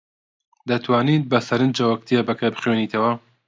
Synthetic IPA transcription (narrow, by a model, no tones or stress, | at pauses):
d̪ɐt̪ʰwaːniːt̪̚bɐsɐɾɨnd͡ʒɐwɐk̚t̪ʰebɐkɐbɨχweniːt̪ʰɐwɐ